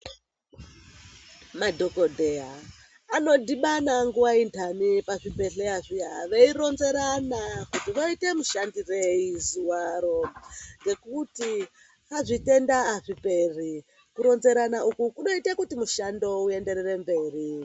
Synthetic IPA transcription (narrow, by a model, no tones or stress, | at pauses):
madʱo̞kodʱeaː | no̞diɓanaŋɡuwaintʰanipaʐipe̞ɬeaʐiaʋe̞iɾo̞nze̞ɾanakutiʋoite̞muʃandireizuwaɾo̞ŋɡe̞kuti | kaʐite̞ndaːʐipe̞r̤i | kuɾo̞nze̞ɾanaʔukukuɗo̞itakutimuʃando̞ue̞nde̞ɾere̞mbe̞ːri